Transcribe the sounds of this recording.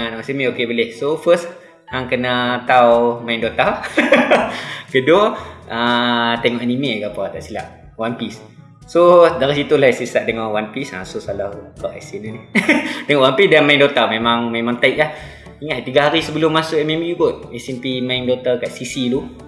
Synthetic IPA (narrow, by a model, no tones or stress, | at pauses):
anawasimeʔokebəlɛhsofəst̪ | aŋkənət̪awmaindot̪a | kədoət̪eŋɔʔanimeʔkapat̪aʔsila̰ʔ | wanpis | sodaɾihsit̪ulahisisaʔd̪eŋawanpisa̰sosalahkaʔa̰sininit̪eŋɔʔwanmpisdanmajindot̪amemaŋmemãŋt̪aiʔ̚lah | iŋat̪̚t̪iɡaɦaɾisəbəlʊmːasʊʔɛmemiubʊt̪̚ɛsɛmpimaindot̪akaʔsisilu